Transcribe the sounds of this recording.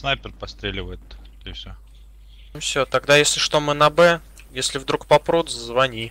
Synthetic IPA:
snajpʲɪrpɐst̪ɾʲelʲɪvəjɪt̪ | ɪfsʲɵ | fsʲot̪ɐɡd̪ajesʲlʲɪʂt̪o̞mɨnɐbɛ | jesʲlʲɪvd̪ɾukpɐpɾut̪zzvɐnʲi

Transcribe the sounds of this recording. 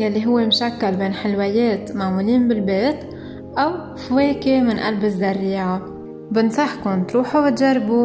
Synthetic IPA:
jalːiɦʊwːemʃakːalbeːnħɪlwɪjeːt̪maʕmuːliːnbɪlbeːt̪ | ʔaw | fweːkemɪnʔa̰lbɪzːaɾːiːʕa | bɪnsˤɑħkʊnt̪ɾuːħubɪt̪ʒarˤbu

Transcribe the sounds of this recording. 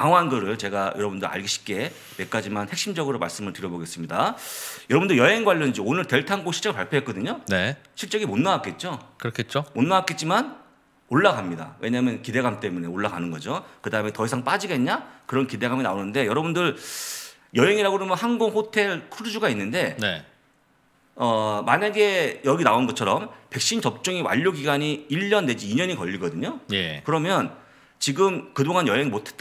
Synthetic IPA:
kaŋɦanɡɯɾɯɭt͡ɕe̞ɡajʌɾʌbundɯɾa̰ɭɡiɕʰi̥p̚k͈e̞ | me̞k͈̚ad͡ʑimanhe̞k̚ɕ͈imd͡ʑʌɡɯɾoma̰ɭs͈ɯmɯɭtɯɾjʌboɡe̞s͈ɯmɲidajʌɾʌbundɯɭjʌɦe̞ŋɡwaʎːʌnd͡ʑionɯɭte̞ɭtʰaŋɡoɕʰiɭt͡ɕ͈eɯɭpaɭpʰjoɦetk͈ʌdɯɲoneɕʰiɭt͡ɕ͈ʌɡimonːawak͈e̞t̚t͡ɕ͈okɯɾʌkʰet̚t͡ɕ͈omonːawak͈e̞t̚t͡ɕ͈iman | oɭːaɡamɲida̰we̞ɲamjʌnkide̞ɡamt͈e̞mune̞oɭːaɡanɯnɡʌd͡ʑokɯdaɯme̞tʌisʰaŋp͈ad͡ʑiɡe̞nɲakɯɾʌnkide̞ɡamina̰onɯnde̞jʌɾʌbundɯɾ | jʌɦe̞ŋiɾaɡoɾemjʌnhanɡoŋɸotʰe̞ɭkʰuɾd͡ʑuɡainːɯnde̞ne | ʌmaɲaɡe̞jʌɡinaonɡʌt͡ɕʰʌɾʌmpe̞k̚ɕ͈int͡ɕʌp̚t͡ɕ͈uŋiwa̰ʎːoɡiɡaɲiiʎːʌnːe̞d͡ʑiːɲʌɲikʌʎːiɡʌdɯɲojekɯɾʌmjʌn | t͡ɕiɡɯmkɯdoŋanjʌɦe̞ŋimotʰe̥t͈

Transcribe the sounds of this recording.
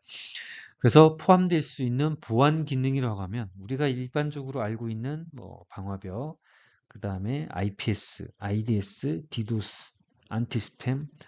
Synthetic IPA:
kɯɾe̞sʰʌpʰoɦamdwe̞ɭs͈uinːɯnpoanɡinɯŋiɾoaɡamjʌnuɾiɡaiɭband͡ʑʌɡɯɾoaɭɡoinːɯnmwʌ̰paŋɦwabjʌ | kɯdaɯme̞a̰ipʰies͈ɯ̰aidies͈ʰɯtidos | a̰ntʰisʰɯ̥pʰe̞m

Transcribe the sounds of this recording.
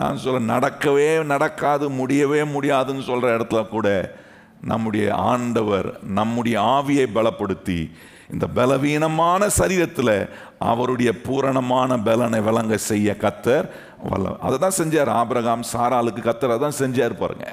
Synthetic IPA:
na̰ːnːsɔlːɐnɐɽɐkːɐʋeːnɐɽɐkːaːðɯmʊɽɪjɐʋeːmʊɽɪjaːðɯnːɯsɔlrɐɪɽɐt̪ːɪlɐkːuːɽɐ | nɐ̰mːɯɽɐjɐ̰a̰ːɳɖɐʋɐɾnɐmːɯɽɐjɐaːʋɪjɐɪbɛɭɐpːɐɽɯt̪ːḭ | ɪnd̪ɐbɛlɐʋiːnɐmaːnɐsɐɾiːɾɐt̪ːɪlɐ | ʔɐ̰ʋɐɾɯɽɐjɐpuːɾɐɳɐmaːnɐbɛlɐnɐʋɛlɐŋɡɐsɛjːɐkɐt̪ːɐɾ | ʋɐ̰lɐ̰ɐ̰ðɐt̪ːãːsɛɲd͡ʒaːɾaːbɾɐɣaːmsaːɾaːlɯkːɯkːɐt̪ːɐɾɐðɐt̪ːãːsɛɲd͡ʒaːɾɯpa̰ːɾɯ̰ŋɡɐ̰

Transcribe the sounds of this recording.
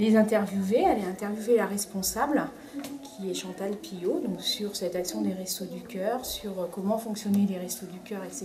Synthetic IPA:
lezɛ̃t̪ɛʁvjuvealeɛ̃t̪ɛʁvjuvelaʁɛspɔ̃sabl | kʲʰiɛʃɑ̃t̪alpijod̪ɔ̃ksyʁsɛt̪aksjɔ̃d̪eʁɛst̪od̪ykʲœʁsyʁkɔmɑ̃fɔ̃ksjɔneleʁɛst̪od̪ykʲœʁese

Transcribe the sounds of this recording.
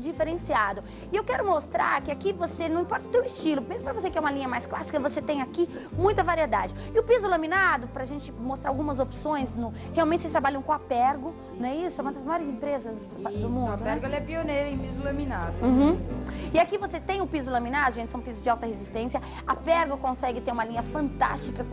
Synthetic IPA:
d͡ʒifeɾẽsiad̪ʊ | ɪewkɛɾʊmost̪ɾa̰ɾkɪakivosenɐ̃w̃ĩpɔɾt̪ɐʊt̪ewɪst͡ʃilʊmezmʊpɾɐvos̬ekɪɛũmɐlĩɲɐmajsklasi̥kɐvoset̪ẽj̃aki | mũj̃t̪ɐvaɾied̪a̰d͡ʒɪ | ɪʊpizʊlɐminad̪ʊpɾɐʒẽnt͡ʃɪmost̪ɾaawɡũmɐzopsõj̃znʊ | heawmẽnt͡ʃɪsest̪ɾabaʎɐ̃w̃kõapɛɾɡʊ | nɐ̃w̃ɛisʊɛmɐd̪ɐzmajɔɾɪzẽmpɾezɐz | d̪ʊmũd̪ʊnɛɾɡɛlɛpionejɾɐẽpizʊlɐmina̰d̪ʊũɪakivoset̪ẽj̃ʊpizʊlɐmĩnad̪ʊʒẽnt͡ʃɪsw̃pizʊzd͡ʒɪawt̪ɐhezist̪ẽsjɐ | apɛɾɡʊkõsɛɡɪt̪eɾũmɐlĩɲɐfɐ̃nt̪a̰st͡ʃikɐ

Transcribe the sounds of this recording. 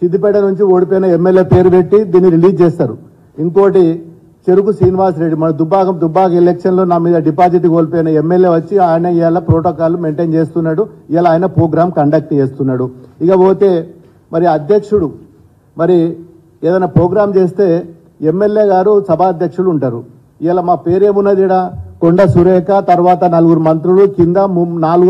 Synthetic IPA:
sid̪ːipɛʈɐnuɲt͡ʃioːɽipoːjnɐemːeljeːpe̞ːɾube̞ʈːid̪iːnːiɾiliːd͡ʒd͡ʒeːst̪aːɾṵ | iŋko̞ːʈi | t͡ʃe̞ɾukusɾiːniʋaːs̬ɾe̞ɖːimɐnɐd̪ubːaːɡɐmd̪ubːaːɡɐelekʂɐnlo̞ːnaːmiːd̪ɐɖipaːd͡ʒiʈikoːlipɔjnɐemːelje̞ːʋɐt͡ʃːiaːjnɐjaːlɐpɾoːʈoːkaːlume̞ɳʈeːnt͡ʃe̞ːst̪unːaːɽuijaːlɐaːjɐnɐpɾoːɡɾaːmkɐɳɖɐk̚ʈt͡ʃeːst̪unːaːɽuikɐboːt̪e̞ː | mɐɾiɐd̪jɐkʂuɽu | mɐɾi | eːd̪ɐjnaːpɾoːɡɾaːmt͡ʃe̞ːst̪e̞ː | emːe̞lje̞ːɡaːɾusɐbʱaːɐd̪jɐkʂuɽuuɳʈaːɾu | ijaːlɐmaːpe̞ːɾe̞ːmunːɐd̪iːɽakoɳɖɐsuɾɛːkɐt̪ɐɾuʋaːt̪ɐnɐluɡuɾumɐnt̪ɾulukind̪ɐmnaːluɡ

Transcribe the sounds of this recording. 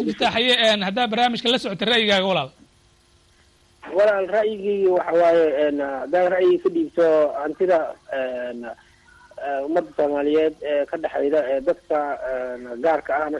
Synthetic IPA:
ɪt̪ʰaħɑjɛɛːnɦɐd̪aːd̪̚bɐrnaːmɪʃkʰɐlɐsɔʕɔt̪ʰɛrɑʔjɪɣaːɣɐwɑlaːl | wɑlaːlrɐʔjɪɣiːwɑħɑwaːjɛɛːnhɐd̪aːɡrɐʔjɪɣkʰɐɖiːbt̪ʰɔɐnt̪ʰɪðɐɛːn | ɛʊmɐd̪ːɐsɔːmaːlɪjɛːd̪ɛːkʰɐɖɑħɛ̰jðɐɛːd̪ɐd̪kʰɐɛnɡaːrkʰɐːɐmɐ

